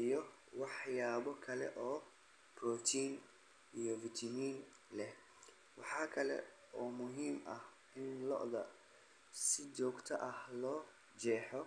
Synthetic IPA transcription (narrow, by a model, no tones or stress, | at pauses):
ijɔ | wɑħjaːβɔkʰɐlɛ̰ʔɔː | prɔt̪ʰiːn | ijɔvɪt̪ʰɐmiːn | lɛh | wɑħɑːkʰɐlɛ̰ | ʔɔːmʊɦiːmʔɐh | ɪnlɔ̰ʔðɐ | sɪt͡ʃɔːɡt̪ʰɐʔɐhlɔː | d͡ʒɛːħɔ